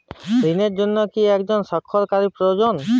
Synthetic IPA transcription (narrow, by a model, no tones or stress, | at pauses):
ɾineɾd͡ʒonːɔkiɛkd͡ʒɔnsɔkʰːɔɾkaɾipɾojod͡ʒɔn